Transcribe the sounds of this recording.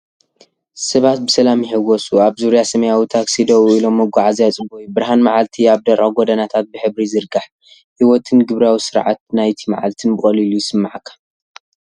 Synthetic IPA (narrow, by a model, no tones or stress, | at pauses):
sɐβat̪̚bɨsɐlamiħɨɡosuaβzuɾjasɐmɐjawit̪ʰaksid̪owilo̞mːɐɡʷaʕazijat͡sʼɨbojubɨɾɦanmaʕalt̪ʰiaβd̪ɐɾʼaɡod̪ɐnat̪ʰat̪̚bɨħɨβɾizɨɾɡaħ | hiwɔt̪ʰɨnɡɨβɾawisɨɾʕa̰t̪̚najt̪ʰima̰ʕa̰lt̪ʰɨnbɨχʼɐlilujɪsɨmːaʕakʰːḁ